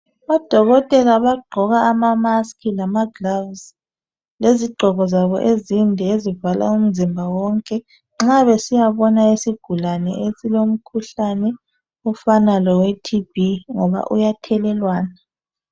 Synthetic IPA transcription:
βad̥ʱɔɣɔtʼɛlaβaɡ͡ǃʱɔɣaːmamaskʰilamaɡlavs | leziɡ͡ǃʱɔɣɔzaβɔ̰ʔezindʱɛezivala̰um̩zimbʱawɔŋkʼɛ | ŋ͡ǁaβesijaβɔnaesiɡ̥ʱulanɛ̰esilom̩kʰuɬanɛ | ufanalɔwetʰib̥iŋɔβa̰ʔṵjatʰɛlɛlwaːna

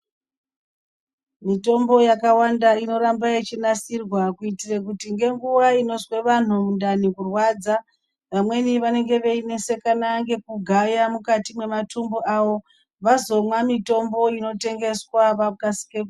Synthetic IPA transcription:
mito̞mbo̞jakawandaino̞ɾambajet͡ʃinasirwakuitirekutiŋɡe̞ŋɡuʋaino̞zwe̞ʋan̤umundanikurwad͡za | ʋamwe̞niʋane̞ŋɡe̞ʋe̞ine̞se̞kanaŋɡe̞k̚uɡʱajamukatimwe̞matumbo̞ʔawo̞ | ʋazo̞mwamito̞mbo̞ino̞te̞ŋɡe̞swaʋakasi̥keku

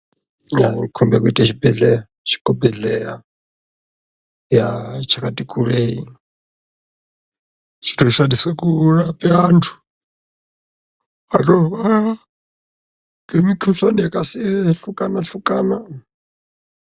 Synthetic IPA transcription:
jaikʰumbɛkuitʼɛʃibɛɮɛa | ʃi̥kɔbɛɮɛja | jat͡ʃʰakatʼikʰʼuɾei | t͡ʃʰi̥tɔʃadiswɛkuɺapʼɛantʰu̥ | alɔa | kemikʰuɬanijakʼasiɛɬukʼanaɬukʼana

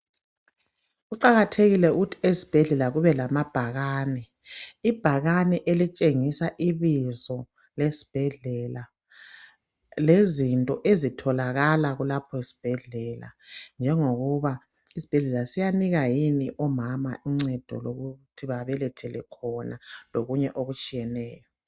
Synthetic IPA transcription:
ɣuǃaɣatʰeɣilɛuɣutʰiesi̥b̥ʱɛɮɛlaɣuβɛlamab̥ʱaɣaːnɛ | ib̥ʱaɣanɛʔelit͡ʃʼeŋisaʔiβizɔ | lesi̥b̥ʱɛɮɛla | lezintʼɔʔezitʰɔlaɣalaɣulapʰɔisi̥b̥ʱɛɮɛla̰nd͡ʒʱɛŋoɣuβa | isi̥b̥ʱɛɮɛlasijaniɣajiniʔɔmama̰ʔiŋ͡ǀɛd̥ʱɔ̰loɣutʰiβaβɛlɛtʰɛlɛkʰɔnaloɣuɲɛʔoɣut͡ʃʼijɛnɛːjɔ

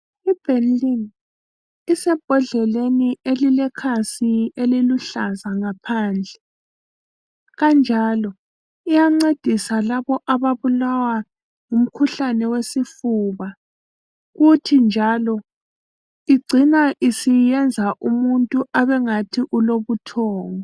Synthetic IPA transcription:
ib̥ʱɛnlin | isɛb̥ʱɔɮɛleniʔelilɛkʰasieliluɬazaŋapʰaːnd͡ɮʱɛ | ɣand͡ʒʱaːlɔ | ijaŋ͡ǀed̥ʱisalaβɔʔaβaβulawa | ŋum̩kʰuɬanɛwesifuβa | ɣutʰind͡ʒʱalɔ | iɡ͡ǀʱinaʔisijɛnd͡zʱaʔumuntʼuʔaβɛŋatʰiʔuloβutʰɔːŋɔ

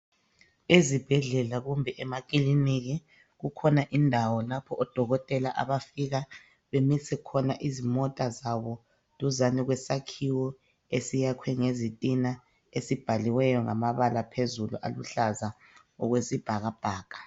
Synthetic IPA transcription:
ezib̥ʱɛɮɛlaɣumbʱɛʔɛmakʼiliniɣi | ɣukʰɔnaʔindʱawɔlapʰɔʔɔd̥ʱɔɣɔtʼɛlaʔa̰βafiɣa | βemisʰɛkʰɔnaʔizimɔtʼazaβɔ | luzaniɣwɛsakʰiwɔ | esijakʰwɛŋezitʼina | esib̥ʱaliwɛjɔŋamaβalapʰezulṵʔa̰luɬaza | ɔɣwesib̥ʱaɣab̥ʱaːɣ̥ʼḁ

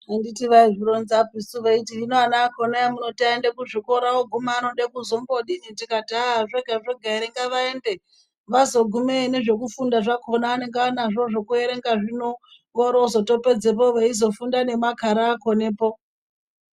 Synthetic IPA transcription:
anditiʋaiʐiɾonzapisuʋeitiinoanaːkonajamuno̞taendekuʐiko̞ɾawoɡʱumaːno̞ɗakuzomboɗiɲitikatiaʐeɡʱaʐeɡʱaiɾeŋɡaʋaende | ʋazo̞ɡʱumene̞ʐe̞kufundaʐakonaːne̞ŋɡeanaʐo̞ʐokue̞ɾeŋɡaʐino | ʋoɾozo̞to̞pe̞d͡zep̬oʋaizo̞fundane̞makaɾaːko̞ne̞ːpo

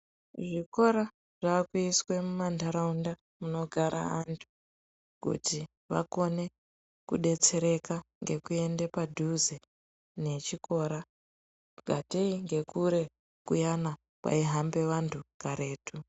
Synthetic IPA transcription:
ʐiko̞ɾa | ʐ̥aːkuiswe̞mumandaɾaunda | muno̞ɡʱaɾʔa̰antʰu̥ | kṵti | ʋa̰ko̞ne̞ | kuɗe̞t͡se̞ɾe̞kaŋɡe̞kue̞ndepadʱuze | ne̞t͡ʃiko̞ɾa | ɡʱateiŋɡe̞kuɾe̞ | kujana | kwa̰iɦambe̞ʋantʰukaɾe̞ːtʰu

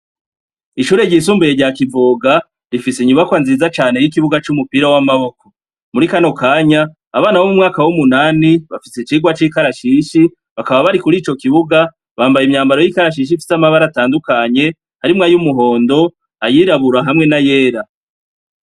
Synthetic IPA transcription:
iʃuːɾe̞ɾɟiːsuːmbujeɾɟaːkivoːɡa | ɾifiseɲuβakwanziːzat͡ʃaːne̞jik̬iβuɡat͡ʃumupiɾawamaβo̞ko̞ | muɾikano̞kaːɲaː | βaːnawomumŋaːkawumunaːniβafiset͡ʃiɡwat͡ʃiːkaɾaʃiʃi | βakaβaβaɾikuɾiːt͡ʃo̞kiβuɡa | βaːmbajimɲaːmbaɾo̞jikaɾaʃ̬iʃ̬ifi̥samaβaɾataːndukaɲe̞ | haɾimŋajumuɦo̞ːndo̞ | ajiɾaβuɾaɦamŋe̞naje̞ːɾa

